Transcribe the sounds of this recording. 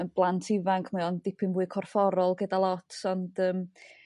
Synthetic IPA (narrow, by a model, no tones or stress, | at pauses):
ənb̥lˠantʰɪvaŋkʰmɛɔndɪpʰɪnvuːɨkʰɔrfɔɾɔlˠɡədalˠɔtʰɔnd̥əːm